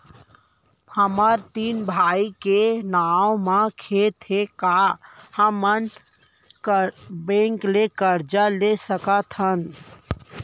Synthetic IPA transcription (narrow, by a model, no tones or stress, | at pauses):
həməɾt̪iːnbʱaːikenaːwmãkʰet̪ʰekahəmən | kbẽːŋklekəɾd͡ʒalesəkat̪ʰən